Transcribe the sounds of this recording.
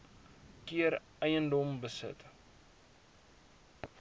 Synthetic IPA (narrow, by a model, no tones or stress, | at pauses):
kiəɾ | əjəndɔmbəsə̰t